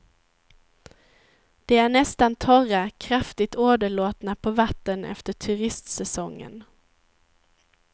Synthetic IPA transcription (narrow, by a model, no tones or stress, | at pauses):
d̪̥ɛæɳɛst̪ant̪ʰɔɾakʰɾaft̪ɪt̪oːd̪əɭoːt̪napʰɔvat̪ːənʔɛ̰ft̪əʈʰɵɾɪst̪sɛsɔŋːə̰n